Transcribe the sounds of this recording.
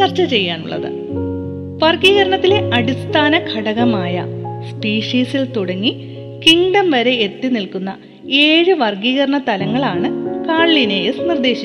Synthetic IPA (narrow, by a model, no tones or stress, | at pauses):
t͡ɕɐrt͡ɕːɐt͡ɕe̞jːaːnṵɭːɐ̰ðɨ̰ | ʋɐrɡiːɣɐɾɐɳɐt̪ːile̞ʔɐɽist̪ʰaːnɐkʰɐɽɐɣɐmaːjɐ̰spiːʂiːsilt̪uɽɐŋːi | kiŋɖɐmʋɐɾe̞ːt̪ːinilkunːɐ̰ | eːɻɨʋɐrɡiːɣɐɾɐɳɐt̪ɐlɐŋːɐɭaːɳɨkaːɭːinejɐsnird̪e̞ːɕi